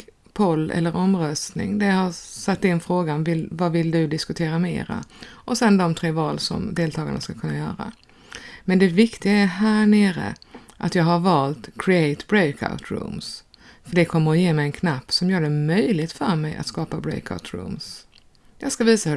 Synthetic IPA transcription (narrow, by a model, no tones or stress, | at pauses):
pʰɔlːɛ̰lːəɾʔɔmɾœst̪nɪ̰ŋd̪æjahasat̪ːɪnːfɾoːɡanvɪlvavɪld̪ɵd̪ɪskɵt̪ʰeːɾamḛːɾa̰ʔɔsɛnd̪ɔmt̪ʰɾeːvɑːlsɔ̰md̪eːlt̪ʰɑːɡa̰ɳa̰skakʰɵnːajœ̰ːɾa̰ | mɛnd̪ɛvɪkt̪ɪɡaæɦæːɳeːɾə̰ʔat̪jɑːɡɦaɾvɑːlt̪kʰɾɪɛɪt̪bɾɛjkʰa̰ʊt̪ɾṵːms | fœɖɛkʰɔmːəɾɔjeːmɛjɛnkʰnapːsɔmjœːɖɛmœjlɪɡt̪fœɾmɛjʔa̰t̪skɑːpabɾɛ̰ɪka̰ʊt̪ɾṵːms | jɑːɡskaviːsahɵ